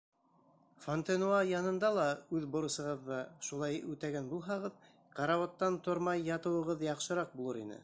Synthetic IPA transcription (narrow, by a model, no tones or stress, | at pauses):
font̪enoɑjɑnɤ̆nd̪ɑlˠɑʉðbŏɾɤ̆sɤ̆ʁɤ̆ðːɤʃulˠɑjʉt̪æɡænbulˠɦɑʁɤð | qɑɾɑwɑt̪ːɑnt̪ŏɾmɑjːɑt̪ɤ̆wɤ̆ʁɤðjɑqʃɤ̆ɾɑq̚bulˠɤɾḭnɘ̰